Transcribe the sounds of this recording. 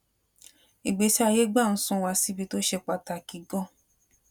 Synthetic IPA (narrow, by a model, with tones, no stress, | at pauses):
i˨ɡ͡be˨˦ti˦a˧je˦ɡ͡ba˦˨n̩˦sũ˦wa˧si˦bi˦to˦ʃe˧k͡pa˧ta˧˨ki˨˦ɡɔ˦˨